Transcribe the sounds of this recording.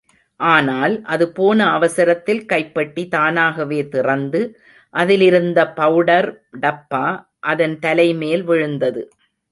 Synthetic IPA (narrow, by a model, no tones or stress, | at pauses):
ʔaːnaːlʔɐðɯpoːnɐɐʋɐsɪɾɐt̪ːɪlkɐɪpːɐʈːit̪aːnaːɣɐʋeːt̪ɪrɐnd̪ɯ | ʔɐðɪlɪɾɯnd̪ɐpɐʋɽɐɾ | ɖɐpːaː | ʔɐðɐnt̪ɐlɐɪmeːlʋɪɻɯnd̪ɐðɯ